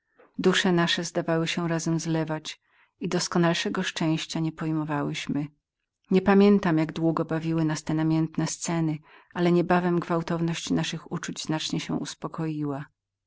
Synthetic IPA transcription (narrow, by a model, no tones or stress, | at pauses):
d̪uʂɛnaʂɛzd̪avawɘɕɛɾazɛmzlɛvat͡ɕ | id̪ɔskɔnalʂɛɡɔʂt͡ʂɛ̃w̃ɕt͡ɕaɲɛpɔjmɔvawɘɕmɘ | ɲɛpamʲjɛnt̪amjaɡd̪wuɡɔbavʲiwɘnast̪ɛnamʲjɛnt̪nɛst̪sɛnɘ | ʔalɛɲɛbavɛmɡvawt̪ɔvnɔɕt͡ɕnaʂɘxut͡ʂud͡ʑz̥nat͡ʂɲɛɕɛ̰ʔuspɔkʰɔjiwa